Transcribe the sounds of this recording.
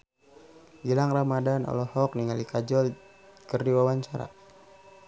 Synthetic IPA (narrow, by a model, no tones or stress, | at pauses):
ɡilaŋramadanɔ̰lɔhɔk̚niŋalikad͡ʒɔl | kərdiwawaɲt͡ʃaɾa̰